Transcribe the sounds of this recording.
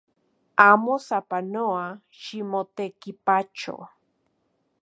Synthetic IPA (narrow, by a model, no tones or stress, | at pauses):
amosapanoa | ʃimot̪ekipat͡ʃo̰